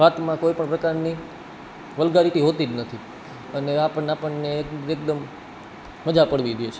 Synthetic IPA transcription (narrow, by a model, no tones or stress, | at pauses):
ɦat̪mãkoipəɳpɾəkaɾni | ʋəlɡaɾit̪iɦot̪id͡ʒnət̪ʰi | əneapəɳapəɳnekek̚d̪əmː | əd͡ʒapəɽʋid̪jet͡ʃʰe